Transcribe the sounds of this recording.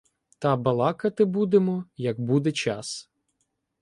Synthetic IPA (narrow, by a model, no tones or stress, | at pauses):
t̪ɑbɐlˠɑkɐt̪ɪbud̪emɔjɐkbud̪ɛt͡ʃɑs